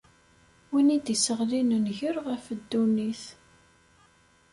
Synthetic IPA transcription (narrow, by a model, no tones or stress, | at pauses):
winid̪isəʁlinənʝəɾʁəfəd̪ːuniθ